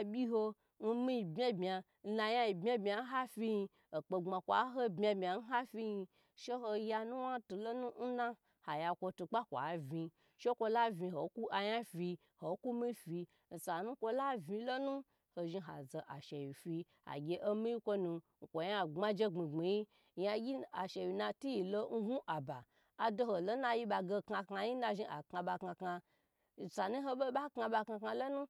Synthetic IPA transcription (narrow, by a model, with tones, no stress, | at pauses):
a˨bʲi˦ɦo˧ | n̩˦mi˦i˨˧bʲa˦bmʲa˧ | n̩˦na˧ja˦i˨bmʲa˦bmʲa˨n˦ɦa˦fʲi˦ji˧ | o˨k͡pe˧ŋ͡ma˨kʷa̰˨˦ɦo˦bmʲ˦a˧bmʲa˨n̩˦ɦa˦fʲi˦ji˧ | ʃe˦ɦo˧ja˧nu˦wa˦tu˨lo˦nũ˦n̩˦na˦ | ha˨ja˧kʷo˧tu˧k͡pa˦kʷa̰˨vi˧ | ʃe˦kʷo˧la˦vi˧ɦo˨˦ku˦ʔa˧ja˦fi˧ | ho˨˦ku˦mi˦fi˧ | n̩˨sa˨nũ˦kʷo˧la˦vi˧˦lo˦nũ˦ | ho˧ʒi˧ɦa˨ze˨ʔa˨ʃe˨wi˨fi˧ | a̰˨ɡʲe˧ʔo˦mi˦ji˦kʷo˦nũ˧ŋ̩˨kʷo˨ja˦˨ŋ͡ma˦d͡ʒe˦ŋ͡mi˨ŋ͡mi˨ji˦ | ja˧ɡʲi˦a˨ʃe˨wi˨na˧ti˦ji˨lo˧n̩˦ɦu˦ʔa˨ba˨ | a˨do˧ho˨lo˦na˧ji˦ɓa˧ɡe˧ka˧ka˧ji˦na˧ʒi˧a̰˨kŋa˧ɓa˧ka˧ka˧ | n̩˨sa˨nu˦ɦo˧ɓo˦ɓa˦kŋa˧ɓa˧ka˧ka˧lo˦nu˦